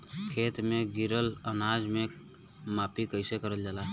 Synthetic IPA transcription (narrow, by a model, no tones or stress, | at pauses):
kʰeːt̪meɡiɾələnad͡ʒme | mapikəɪsekəɾəld͡ʒaːla